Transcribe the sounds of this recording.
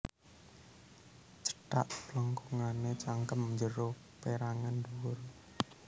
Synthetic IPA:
t͡ʃə̥ɖ̥a̰ʔpləŋkuŋanet͡ʃaŋkəmɲd͡ʒəɾo | peɾaŋand̪uwʊr

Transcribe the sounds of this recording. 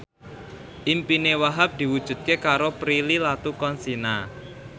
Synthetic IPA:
ʔimpinewaɦap̚d̪̥i̤wud̥ʒ̥ṳt̪̚kekaɾopɾililat̪ukɔnsina

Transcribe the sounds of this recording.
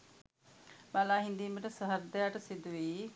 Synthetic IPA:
maːlaːɦĩnd̪iːmeʈɐsɐɦəɾd̪ɐjaʈɐsɪd̪ʱuʋiː

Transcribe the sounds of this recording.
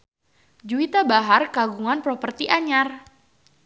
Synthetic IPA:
d͡ʒuit̪abaɦarkaɡuŋanpɾɔpərt̪iʔaɲar

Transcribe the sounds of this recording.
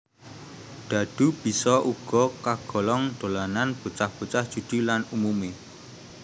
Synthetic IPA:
d̪̥ä̤d̪̥ṳb̥i̤sɔʔuɡ̥ɔ̤kaɡ̥ɔ̤lɔŋd̪̥o̤lananb̥ṳt͡ʃahb̥ṳt͡ʃahd̥ʒ̥ṳd̪̥i̤lanumume

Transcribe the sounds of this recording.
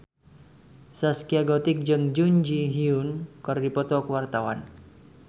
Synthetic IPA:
saskiaɡɔt̪ɪk̚d͡ʒəŋd͡ʒuɲd͡ʒiɦiunkərdipɔt̪ɔkəwart̪awa̰n

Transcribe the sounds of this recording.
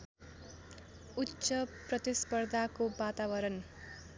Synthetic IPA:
utːsʌprʌt̪ispʌrd̪ʱakobat̪abʌɾʌn

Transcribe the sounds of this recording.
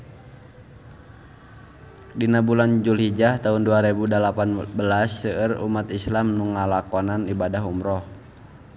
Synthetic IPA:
dinabuland͡ʒulhid͡ʒaht̪aɦʊnduaɾebudəlapanbəlasːəərṵmat̪islamnuŋalakɔnanibadaɦumɾɔh

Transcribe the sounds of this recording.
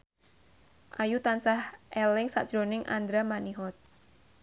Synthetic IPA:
ʔajut̪ansahʔɛlɪŋsa̰ʔd̥ʒ̥ɾonɪŋʔa̰nd̪ɾamaniɦɔt̪̚

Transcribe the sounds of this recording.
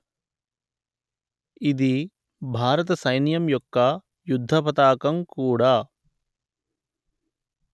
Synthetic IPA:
id̪i | bʱaːɾɐt̪̬ɐsɐjnjɐmjɔkːɐ | jud̪ʱːɐpɐt̪aːkɐmkuːɽaː

